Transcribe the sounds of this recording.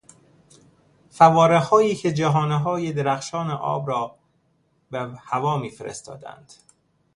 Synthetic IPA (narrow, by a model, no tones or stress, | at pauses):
fævɒːɾehɒːjiːcʰe̞d͡ʒæɦɒːneɦɒːjed̪eɾæxʃɒːneʔɒ̰ːbɾɒː | behævɒːmiːfeɾḛst̪ɒ̰ːd̪æ̰nd̪̥